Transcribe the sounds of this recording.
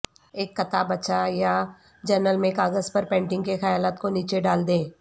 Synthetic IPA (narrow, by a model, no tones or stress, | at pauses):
eːkːɐt̪abɐt͡ʃaja | d͡ʒəɾnəlmẽːkaːɡəzpɐɾpɛ̃ːɳʈɪ̃ŋɡkexɐjaːlaːt̪koniːt͡ʃeɖaːld̪ẽː